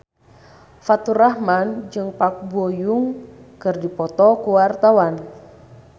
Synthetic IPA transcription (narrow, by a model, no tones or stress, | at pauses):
fat̪uɾahmand͡ʒɨŋpak̚bojuŋkɨrdipɔt̪ɔkuwart̪awan